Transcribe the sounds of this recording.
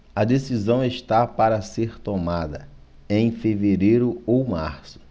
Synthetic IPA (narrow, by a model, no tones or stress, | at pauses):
ɐd̪esizɐ̃w̃eʃt̪apaɾɐseɾt̪omad̪ɐ | ẽj̃feveɾejɾʊowma̰ɾsʊ̥